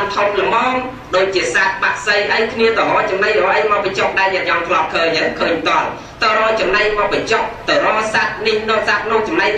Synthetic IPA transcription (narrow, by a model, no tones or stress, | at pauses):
nt̪ʰomləmɑːŋ | ɗoːc̚t͡ɕiəsaʔ̚ɓaʔsəjʔəjkʰniət̪əɦɑːt͡ɕɑmnəjrɔʔəjmɑːpət͡ɕok̚ɗaɛljaʔɲɑmp̪ʰlɑp̚kʰəːjəŋkʰəːɲp̚ʰt̪ŏəl | t̪əwrɑːt͡ɕɑmnajmɑpːət͡ɕok̚t̪əwrɑːsat̪̚nihnoʔsat̪̚nŭht͡ɕɑmnaj